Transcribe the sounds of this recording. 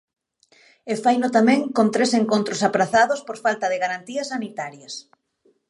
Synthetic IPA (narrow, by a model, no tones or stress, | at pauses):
efajnʊt̪amɛ̃ŋkont̪ɾeseŋkont̪ɾosapɾaθaðospoɾfalt̪ɐðɪɣaɾant̪iɐsanit̪aɾjɐs